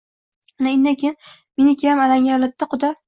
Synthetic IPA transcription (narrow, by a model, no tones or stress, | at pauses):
anaend̪akʲʰejn | menɪkʲʰajamalaŋʲalɪt̪ːaqʰʊd̪a